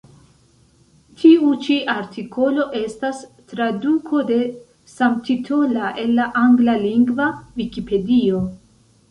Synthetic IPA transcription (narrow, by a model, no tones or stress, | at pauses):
tʰiut͡ʃiʔaɾtʰiko̞lo̞ʔe̞stas | tɾadukʰo̞de̞ | samtʰitʰo̞laʔe̞nːaʔaŋɡlaliŋɡvavikipe̞dio̞